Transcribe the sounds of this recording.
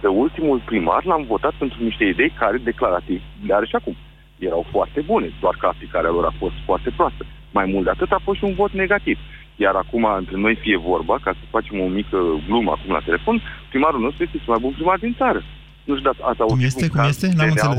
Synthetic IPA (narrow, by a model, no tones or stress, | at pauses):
d̪əult̪imulpɾima̰rlamvo̞t̪at̪̚pe̞nt̪ɾuniʃt̪e̞id̪e̞jkaɾe̞d̪e̞klaɾat̪ivleaɾeʃiakum | je̞ɾawfoart̪e̞bune̞d̪oarkəaplikaɾealo̞ɾa̰fo̞st̪foart̪e̞pɾoast̪ə | majmult̪d̪eat̪ɨt̪afosʃiunvo̞t̪ne̞ɡat̪iv | jaɾakumaɨnt̪ɾe̞no̞jfije̞vo̞rbakasəfat͡ʃe̞mo̞mikəɡlumə̰a̰kumla̰t̪e̞le̞fo̞npɾimaɾulno̞st̪ɾujest̪est̪emajbunpɾimard̪int̪saɾə | nut̪ud̪aasauumjesekumjest̪enamɨnsele